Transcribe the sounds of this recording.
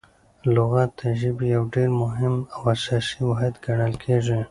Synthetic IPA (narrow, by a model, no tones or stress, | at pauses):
lʊɣɑt̪ʰːaʒibijawɖeɾmʊɦɪmawasɑsiwaɦd̪ɡaɽəlkʰeʐi